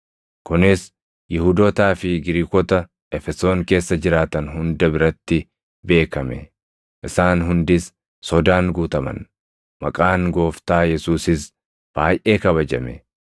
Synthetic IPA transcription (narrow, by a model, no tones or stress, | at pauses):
kʊnɪs | jɪhuːd̪ɔt̪aːfɪɡɪɾiːkɔt̪ɐ | ʔɛfɛso̞ːŋke̞ːsːɐd͡ʒɪɾaːt̪ɐnhʊnd̪ɐbɪɾɐt̪ːɪ | be̞ːkɐmɛ̰ | ʔɪsaːnɦʊnd̪ɪsː | ɔd̪aːŋɡuːt̪ɐmɐ̰n | mɐkʼaːŋɡo̞ːft̪aːjɛsuːsɪs | b̥aːjʔe̞ːkɐβɐd͡ʒɐmɛ